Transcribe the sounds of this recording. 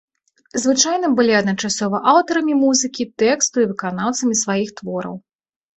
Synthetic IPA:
zvɨt͡ʂajnɐbɨlʲiɐd̪nɐt͡ʂasɔvɐʔawt̪ɐɾɐmʲimuzɨkʲit̪ɛkst̪uivɨkanawt̪sɐmʲisvajixt̪vɔɾɐ̰w

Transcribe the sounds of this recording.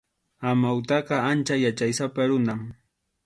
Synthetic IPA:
amawt̪ɑqɑant͡ʃajat͡ʃajsapaɾʊnam

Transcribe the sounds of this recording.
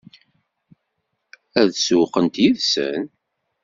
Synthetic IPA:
æðsuqənt̪jiðsə̰n

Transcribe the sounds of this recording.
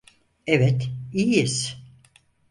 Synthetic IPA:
ɛvɛt̪ijis

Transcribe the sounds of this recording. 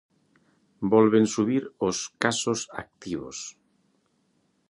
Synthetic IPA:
bɔlβensuβiɾoskasosa̰k̚t̪iβo̰s

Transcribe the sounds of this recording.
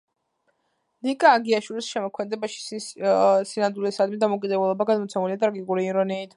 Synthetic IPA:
nikʼaːɡiaʃwilisʃɛmɔkʰmɛd̪ɛbaʃi̥ | sinand̪ulisad̪mid̪amɔkʼid̪ɛbulˠɔbaɡad̪mɔt̪sʰɛmuliat̪ʼɾaɡikʼuɾiːɾɔniːt̪ʰ

